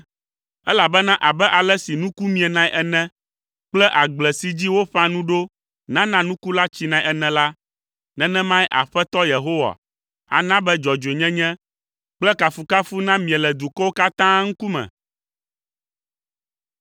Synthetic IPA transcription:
ɛ˦la˨bɛ˦nã˦ʔa˨bɛ˦ʔa˨lɛ˦si˨nũ˦ku˦mĩ˦ɛ˨nã˦jʔɛ˨nɛ̃˦ | k͡plɛ˦ʔa˨ɡ͡blɛ˨si˨d͡ʑi˦wo˦ɸã˦nũ˦ɖo˦ | nã˦nã˦nũ˦ku˦la˦t͡ɕi˦nã˨i˦˨ɛ˨nɛ̃˨la˦ | nɛ̃˦nɛ̃˦mã˦jʔa̰˨ɸɛ˦t̪ɔ˦je˨ɦo˦wa̰˨ | a̰˨nã˦bɛ˦d͡ʒɔ˨d͡ʒe˨ɲɛ̃˦ɲɛ̃˦ | k͡plɛ˦ka˨fu˨ka˦fu˦nã˦mĩ˨ɛ˨lɛ˨d̪u˨kɔ˦wo˦ka˦t̪ã˦ŋ̩˦ku˦mɛ̰̃˨

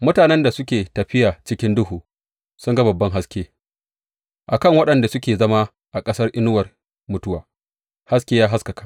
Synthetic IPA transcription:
mʊ˦taː˨nɛ˦nda˨sʊ˦kʲeː˨tɐ˨ɸɪ˦jaː˨t͡ʃɪ˦kʲɪ˦ndʊ˦ɦuː˨ | sʊ˦ŋɡɐ˦bɐ˨bːɐ˦ŋɦa˦skʲeː˦ | ʔa˨kɐ˦˨ŋwɐ˦ɗɐ˨nda˨sʊ˦kʲeː˨zɐ˦ma˦ | ʔa˨kʼɐ˦sɐ˦rʔɪ˦nʊ˦wɐ˨r | mʊ˨˦tʊ˦waː˨ | ha˦s̬kʲeː˦jaː˦ɦa˦skɐ˨kḁ˨

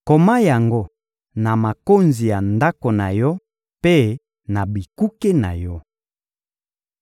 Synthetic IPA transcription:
ko˨ma˦ja˨ŋɡo˦ | na˨ma˨ko˦nzi˨ja˨nda˦ko˨na˨jɔ˦ | pe˦ | na˨bi˨ku˦ke˦na̰˨jɔ˦

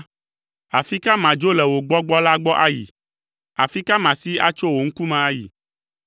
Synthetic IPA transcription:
a˨fi˦ka˦mã˨d͡ʒo˦lɛ˨wo˨ɡ͡bɔ˦ɡ͡bɔ˦la˦ɡ͡bɔ˦ʔa˦jḭ˨ | a˨fi˦ka˦mã˨si˦a̰˦t͡ʃo˦wo˨ŋ̩˦ku˦mã˨a˦jḭ˨

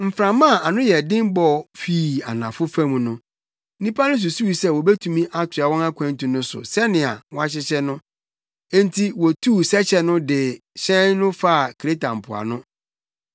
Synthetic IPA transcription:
m̩˨fɾã˨mã˦˨a˨nʊ̃˦jɛ˨dɪ̃˦bɔ˨fiː˦˨a˨nã˨fʊ˦fæ̃˦mũ˨nʊ̃˦ | nĩ˦pʰa˦nʊ̃˦s̬u˨su˦wi˨sɛ˦˨wɔ˨bɛ˦tʰũ˨mĩ˦ʔa˦tʰʊ˨a˨wɔ̃˦na˦kʷʰã˨n˦tũ˨nʊ̃˦sʊ̰˨sɛ˦nɪ̃˨a̰˨wɔ̃˦a˦ɕ̬ɪ˦ɕɛ˦nʊ̃˦ | ɛ̃˦n˦tʰi˦wɔ˨tʰuː˦˨sɛ˦t͡ɕʰɛ˦nʊ̃˦dɪ˨ɕɛ̃˦nnʊ̃˦fa˦˨kʰe˦tʰa˨m̩˨pʰʊ˨a̰˨nʊ̃˦

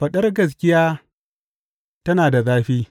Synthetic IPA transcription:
ɸɐ˨ɗɐ˦rɡɐ˨s̬kʲɪ˦jaː˦ | tɐ˦naː˨da˨zaː˦ɸiː˦

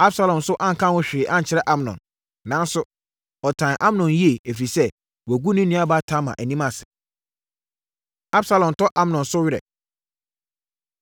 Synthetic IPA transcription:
a˦bsa˦lɔ̃˨msʊ˦ʔã˦ŋ̩˨kʰã˦wʊ̃˦ɕᶣɪ˨ʔã˦ɲ̩˨t͡ɕʰɪ˦ɾɛ˦ʔa˦m˨nɔ̰̃˨n | nã˨˦n˦sʊ˦ | ɔ˨tʰã˨nʔa˦mnɔ̃˨nji˦e˨æ˨fi˨sɛ˦ | wæ˨ɡu˦nʊ̃˦nĩ˦a˦ba˦tʰã˦mã̰˨ʔæ˨nĩ˦mã˨sɪ̥˨ | a˦bsa˦lɔ̃˨n˨tʰɔ˦ʔa˦mnɔ̃˨nsʊ˦ɥɪ˦ɾɛ̰˨

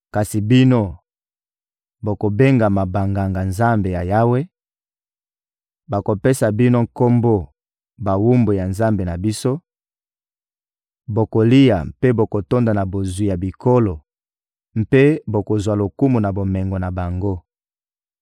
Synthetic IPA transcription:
ka˨si˨bi˦no˦ | bo˨ko˨be˦ŋɡa˨ma˨ba˨ŋɡa˨ŋɡa˨nza˦mbe˨ja˨ja˦we˦ | ba˨ko˨pe˦sa˨bi˦no˦ŋ̩ko˦mbo˦ | ba˨wu˦mbo˨ja˨nza˦mbe˨na˨bi˦so˦ | bo˨ko˨li˦ja˨mpe˦bo˨ko˨to˦nda˨na˨bo˨zwi˨ja˨bi˨ko˦lo˨ | m̩pe˦bo˨ko˨zwa˨lo˨ku˦mu˨na˨bo˨mɛ˨ŋɡo˨na˨ba˨ŋɡo˦

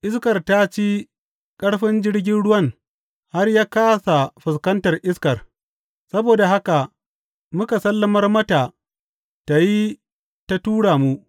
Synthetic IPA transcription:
ʔɪ˦skɐ˨rta˦t͡ʃi˦ | kʼɐ˦ɽɸɪ˦nd͡ʒɪ˦ɽɡʲɪ˦nɽʊ˦wɐ˦ŋ | ha˦rjaː˦kaː˦sa˨ɸɪ˨skɐ˦ntɐ˨rʔɪ˦skɐ˨r | sɐ˦boː˨da˨ha˦ka˨ | mʊ˦ka˨sɐ˦lːɐ˦mɐ˦rmɐ˦ta˨ | ta˨ji˦ | ta˦tuː˦ɽaː˨mu˦ʔ

